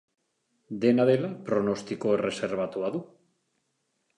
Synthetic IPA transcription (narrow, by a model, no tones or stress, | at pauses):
d̪enaðelapɾonost̪ikoereseɾβ̞at̪uaðu